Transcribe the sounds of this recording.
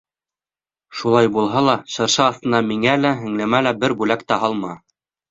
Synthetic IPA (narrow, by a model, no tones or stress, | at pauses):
ʃulˠɑjbulˠɦɑlˠɑʃɤ̆ɾʃɤːθt̪ɤ̆nɑmiŋælæɦɘ̆ŋlɘ̆mælæbɘɾbʉlækt̪æɦɑlˠmɑ